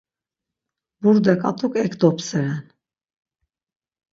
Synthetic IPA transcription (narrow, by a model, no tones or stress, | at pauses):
buɾd̪ɛkʼa̰t̪ʰʼukʰʼɛkʰd̪ɔpʰsɛɾɛn